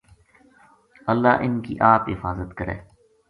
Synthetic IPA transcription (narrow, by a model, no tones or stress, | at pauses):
əlːa̰ːʔɪnkḭʔaːpɦɪfaːzət̪kəɾḛː